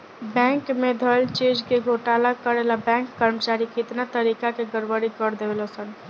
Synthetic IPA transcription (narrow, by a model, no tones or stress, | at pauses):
bɛ̃ŋkmed̪ʱəlt͡ʃed͡ʒkeɡoʈalakəɾelabɛ̃ŋkːəɾmt͡ʃaɾikɪt̪nat̪əɾikakeɡəɾʋəɾikəɾd̪ewelɔsən